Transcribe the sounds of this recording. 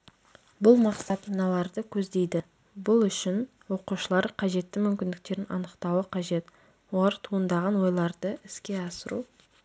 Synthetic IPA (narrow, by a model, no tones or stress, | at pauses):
bʊlˠmɑqsɑt̪ɑnɑlˠɑɾd̪əkʲʰɵzd̪e̞jd̪ɪ | bʊlˠʏʃɪn | wo̞quʃəlˠɑɾqʰɑʒe̞t̪ːɪmʏmkʲɪnd̪ɪk̚t̪e̞ɾɪnɑ̰nəqt̪ɑwəqʰɑʒe̞t̪ | wo̞lˠɑɾt̪ʰuənd̪ɑʁɑnwo̞jlˠɑɾd̪əʔɪskʲe̞ɑsəɾṵ